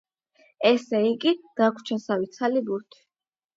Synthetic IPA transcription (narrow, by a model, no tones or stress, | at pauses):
ɛsɛiɡid̪̥akʷʰt͡ʃʰɛnsawit̪sʰalibuɾt̪ʰi̥